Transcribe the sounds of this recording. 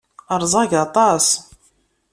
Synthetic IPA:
əɾˤzˤɑʝat̪ˤɑs

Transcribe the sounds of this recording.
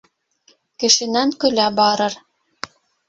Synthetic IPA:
kɘ̆ʃɘ̆næŋkɵ̆læbɑɾɤɾ

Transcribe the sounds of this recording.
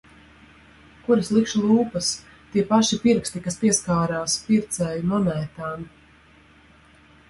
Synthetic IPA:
kuɾɐslˠikʃlˠuːpɐs | t̪iɛpaʃipiɾkst̪ikaspʲiɛskaːɾaːspiɾt̪sɛːjunɔnæjt̪aːn

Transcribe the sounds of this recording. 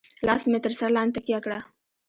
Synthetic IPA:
laːsmet̪əɾsaɾlaːnt̪ɐkiakɽa

